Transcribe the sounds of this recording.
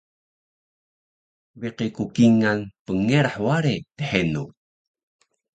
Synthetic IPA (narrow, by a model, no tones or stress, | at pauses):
viqikukiŋanpəŋeɾħwaɾet̪əħenu